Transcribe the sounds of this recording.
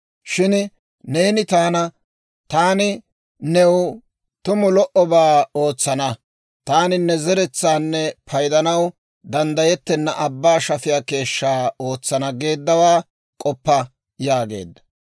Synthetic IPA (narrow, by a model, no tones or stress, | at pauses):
ʃɪn | ne̞ːnɪt̪aːnɐ | t̪aːnɪ | nɛw | t̪ʊmʊlɔʔɔbaːo̞ːt͡sːɐnɐ | t̪aːnɪnːɛzɛɾɛt͡sːaːnːɛpʰɐjd̪ɐnɐw | d̪ɐnd̪ɐjɛt̪ːɛnːɐʔɐbːaːʃɐfɪjaːke̞ːʃːaːo̞ːt͡sːɐnɐɡe̞ːd̪ːɐwaː | kʼɔpːɐ | jaːɡe̞̰ːd̪ːɐ̥